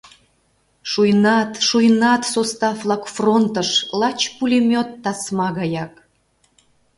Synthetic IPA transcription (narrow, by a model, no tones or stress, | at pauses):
ʃujnɑt̪ʃujnɑt̪sost̪ɑflˠɑkfront̪əʃlɑt͡ɕpulʲimʲot̪ːɑsmɑɣɑjɑk